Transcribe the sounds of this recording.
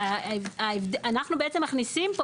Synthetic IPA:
avaevd̪ʔanaχnubeet͡se̞mːaχnisimpo

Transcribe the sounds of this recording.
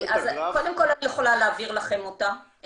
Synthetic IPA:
azko̞d̪e̞mko̞lanijeχo̞laleaviʁlaχe̞mota

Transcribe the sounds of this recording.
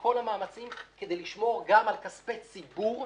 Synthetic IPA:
ko̞lamaːmat͡simked̪e̞jliʃmo̞ʁɡamalkaspet͡sibuʁ

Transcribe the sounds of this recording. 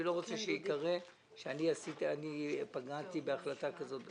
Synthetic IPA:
ilo̞ʁot͡seʃeikaʁe | ʃeaniasitanipaɡat̪ibe̞aχlatakazo̞t̪

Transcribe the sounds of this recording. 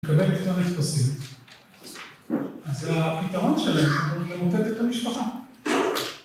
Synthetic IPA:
kabelettonet̪fasim | azapit̪aʁo̞nʃe̞laemlemotet̪et̪amiʃpaχa

